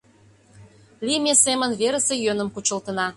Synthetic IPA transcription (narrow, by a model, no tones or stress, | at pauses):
limesemənβeɾə̆sejønəmkut͡ɕəlt̪ə̆nɑ